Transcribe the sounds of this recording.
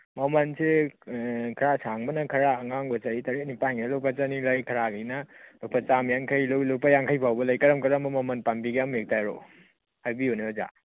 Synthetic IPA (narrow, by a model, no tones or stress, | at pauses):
mɐmɐnse | kʰɐɾasaŋbɐnɐkʰɐɾaɐŋaŋbɐt͡ʃaɾitɐɾet̚nipajŋnalowpat͡ʃanilɐjkʰɐɾaɡanɐbapʰɐt͡ʃamjaŋkʰɐjlowilowpajaŋkʰajpʰawbɐlɐjkɐɾɐmkɐɾɐmɐmɐmɐnpambiɡeamjek̚tajɾo̰ | hajbioneoza̰